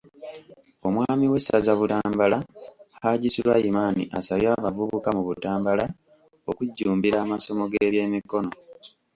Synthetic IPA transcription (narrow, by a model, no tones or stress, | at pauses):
o̞mwaːmiwe̞sazaβutaːmbalahaɟisilwajimaːnḭʔasaβjaːβavuβukamuβutaːmbala | okuɟːuːmbiɾaːmaso̞mo̞ɡeːβje̞ːmiko̞no̞